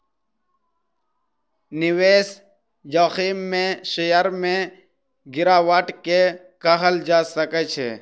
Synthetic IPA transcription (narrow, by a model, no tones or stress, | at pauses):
nɪweːs | joːxiːmːẽʃejəɾmẽ | ɡɪɾaːwaʈke | kəɦəld͡ʒaːsəket͡ʃʰḛ